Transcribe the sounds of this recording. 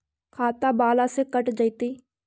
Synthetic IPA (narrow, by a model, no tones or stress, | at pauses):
kʰaːt̪aːbaːlasekəʈd͡ʒəit̪iː